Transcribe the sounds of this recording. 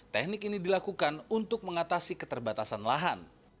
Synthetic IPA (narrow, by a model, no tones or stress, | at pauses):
t̪ɛk̚nɪkinidilakukanunt̪ʊk̚məŋat̪asikət̪ərbat̪asanlaɦan